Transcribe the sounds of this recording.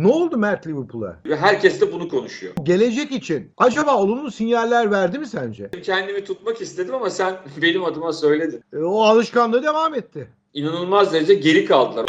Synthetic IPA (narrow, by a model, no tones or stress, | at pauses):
nɛolˠd̪umæɾt̪lʲivɯɾpʰulˠa̰vɛɦæɾcɛsd̪ɛbunukʰo̞nuʃujo̰ɟe̞lʲe̞d͡ʒɛcit͡ʃʰinad͡ʒabaːolˠununsinjalʲːæɾvæɾd̪imisænd͡ʒɛmcʰɛnd̪imit̪ʰut̪makist̪ʰed̪imamasænbe̞nimad̪ɯmasø̞jlʲe̞d̪imoalˠɯʃkanˠɯɾɯd̪e̞vaːmɛt̪ʰːɪ | inanɯlˠmazd̪eɾed͡ʒɛɟe̞ɾikʰalˠd̪ɯlˠaɾ